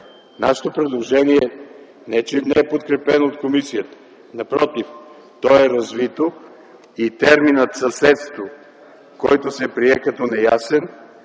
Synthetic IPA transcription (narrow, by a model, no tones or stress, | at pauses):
na̰ʃɛ̥t̪opɾɛd̪lˠoʒɛniɛ | nɛt͡ʃɛnɛɛpot̪kɾɛpɛnoot̪komisijət̪ə̥ | nɐpɾɔt̪if | t̪ɔɛɾɐzvit̪o | it̪ɛɾminət̪sɐsɛt̪st̪vo | kɔjt̪osɛpɾiɛkɐt̪ɔnɛjasɛn